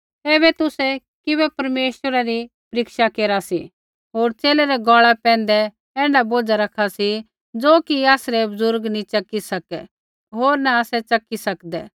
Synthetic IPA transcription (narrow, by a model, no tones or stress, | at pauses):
ɛːβɛt̪ʊsɛ | kɪβɛpɐɾmeːʃwəɾaɾi | pɐɾɪkʃakeːɾasi | ɦoːɾt͡ʃeːlɛɾɛɡɔːɭɛpɛ̃ːn̆d̪ɛ | ɛ̃ːɳɖaboːd͡zaɾɐkʰasi | d͡zoːkiaːsɾɛbɐzʊɾɡnĩt͡ʃɐkːisɐkɛ | ɦoːɾnaasɛt͡ʃɐkːisɐkd̪ɛː